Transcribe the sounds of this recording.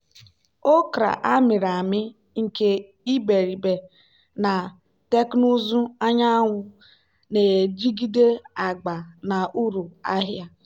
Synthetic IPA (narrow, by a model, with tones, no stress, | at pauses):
o˦kɾa̰˨ʔa˦mɪ˨ɾa˨mɪ˦ | ŋ̩˨ke˦ | i˦be˨ɾi˨be˨ | na˨ | te˦knu˦zu˦a˦ɲa˦ŋʷʊ˨˦ | ne˨d͡ʒi˦ɡi˦de˦a˨ɡ͡ba˨na˨ʔu˦ɾu˨a̰˦ɦja˦